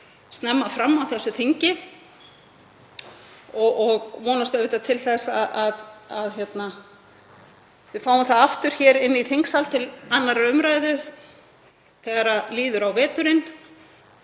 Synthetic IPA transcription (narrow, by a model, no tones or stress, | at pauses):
st̪nɛmːafɾamːawθɛsːʏθiɲcɪ | ɔɔɣvɔːnast̪œvɪt̪at̪ʰɪlθɛsaaðaðçjɛt̪na | vɪðfaːwʏmθaðaft̪ʏɾ̥çɛːɾɪnːiθiŋksalt̪ʰɪlanːaɾaʏmɾaːjðʏ | θɛɣaɾaliːðʏɾawvɛːt̪ʏɾɪn